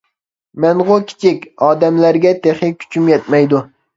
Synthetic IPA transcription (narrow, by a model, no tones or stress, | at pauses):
manʁokʲʰɪ̥t͡ʃʰɪkʲɒːd̪amlaɾɡʲat̪ʰeχɪkʲʰʊ̥t͡ʃʰʊmjɛt̪majd̪ʊ